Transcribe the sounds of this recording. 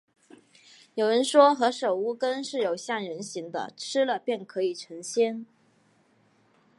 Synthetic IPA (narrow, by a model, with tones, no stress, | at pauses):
jo˨˩ʊɻə˧˥nʂwɔ˥xɤ˧˥ʂo˨˩ʊu˥˩kə˥nʂɻ̩˥˩jo˨˩ʊɕja˥˩ŋɻə˧˥nɕi˧˥ŋd̪ə̰˧ʈ͡ʂʰɻ̩˥lə˨pjɛ˥˩nkʰɤ˧˥i˨˩ʈ͡ʂʰɤ˧˥ŋɕjɛ˥n